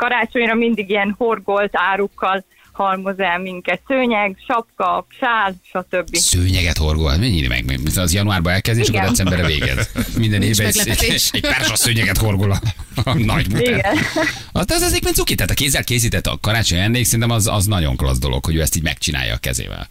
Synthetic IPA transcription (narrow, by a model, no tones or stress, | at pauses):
kɒɾaːt͡ʃo̞ɲrɒmind̪iɡiɛnhorɡolt̪aːɾukːɒl | hɒrmozɛlmiŋkɛt̪søːɲɛɡʃɒpkɒpʃaːlʃɒt̪øbːisøːɲɛɡɛt̪ho̞rɡolt̪miɛɲiːlḭmɛ̰ɡ̚mɛ̰ɡmiszjɒnuaːrbɒɛlkɛzd̪et͡ʃɔkod̪ɛt̪sɛmbɛɾɛvḛːɡɛ̰zmind̪ɛneːvbɛɛcpɛrʃossøːɲɛɡɛt̪ho̞rɡolɒnɒɟmuɛɛn | ɒd̪zɛzekmeːnsukeːt̪ɛɦːt̪ɒkeːzːɛlkeːs̬iːt̪ɛt̪ːɒ̰kɒɾaːt͡ʃoɲɛnːejksɛɾint̪ɛmɒzɒ̰znɒɟo̞̰ŋklɒ̰zd̪o̞lʔo̞̰khoɟøːɛst̪iːɟmɛ̰kt͡ʃina̰ːjɒ̰ːkɛ̰zḛːvɛ̰l